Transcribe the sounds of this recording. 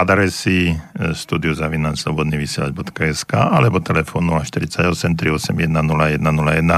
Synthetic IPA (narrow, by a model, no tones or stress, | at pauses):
ad̪aɾɛsist̪uːd̪iuzaʋinaslɔbɔd̪niʋisɪɛlaɟ̚bɔt̪kaɛskaːʔalɛbɔt̪ɛlɛfɔnːulaʃt̪iɾit͡saɟɔsɛmt̪ɾiɔsɛmjɛd̪nanulajɛd̪nanulajɛd̪na